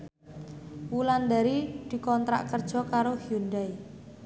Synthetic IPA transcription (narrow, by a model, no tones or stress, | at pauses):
wuland̪aɾid̪̥i̤kɔnt̪ɾa̰ʔkərd̥ʒ̥ɔ̤kaɾohjund̪aj